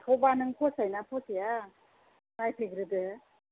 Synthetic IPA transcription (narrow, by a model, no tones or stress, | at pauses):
tʰɔbanɯŋpʰɔsajnapʰɔsija | najpʰiɡɾɯdɯ